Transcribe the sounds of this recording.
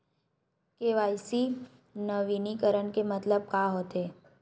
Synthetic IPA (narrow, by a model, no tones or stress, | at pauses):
keːʋaːjsi | nɐʋiːnikəɾənkemɐt̪ləb̚kaːɦoːt̪eː